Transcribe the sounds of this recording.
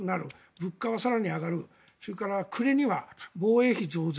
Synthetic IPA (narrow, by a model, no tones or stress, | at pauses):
ɯnaɾɯ | bɯ̟kːaβasaɾaɲ̟iaɡaɾɯ | soɾekaɾakʰɯ̟ɾe̞ɲ̟iβabo̞ːe̞ːçʲizo̞ːz